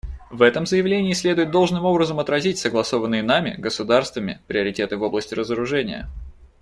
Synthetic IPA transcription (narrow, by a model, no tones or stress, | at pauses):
vɛt̪əmzəjɪvlʲenʲɪːsʲlʲe̞d̪ʊjɪt̪d̪o̞lˠʐnɨmo̞bɾəzəmɐt̪ɾɐzʲitʲsəɡlˠɐso̞vənːɨjənamʲɪ̰ɡəsʊd̪arst̪vəmʲɪ̰pɾʲɪəɾʲɪtʲe̞t̪ɨvo̞blˠəsʲtʲɪɾəzəɾʊʐɛnʲɪ̰jə̰